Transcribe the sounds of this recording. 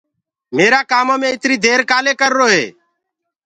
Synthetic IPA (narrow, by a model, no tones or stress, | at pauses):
meːɾaːkaːmõːmẽːɪt̪ɾiːd̪ʱeːɾkaːleːkəɾːoːɦḛː